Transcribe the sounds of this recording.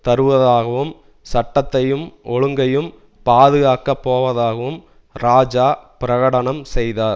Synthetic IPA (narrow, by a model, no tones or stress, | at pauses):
t̪ɐɾɯʋɐðaːɣɐʋɯm | sɐʈːɐt̪ːɐjɯmɔɻɯŋɡɐjɯm | paːðɯɣaːkɐpːoːʋɐðaːɣɐʋɯm | ɾaːd͡ʒaːpɪɾɐɣɐɽɐɳɐmsɛjðaːɾ